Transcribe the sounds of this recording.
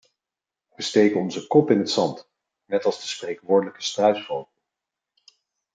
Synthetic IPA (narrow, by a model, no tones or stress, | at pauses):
ʋəstejkənɔnzəkɔpɪnɦətsɑnt | nɛtɑlˠzdəsprejkʋʊːɹdələkə̥strœɥtbowt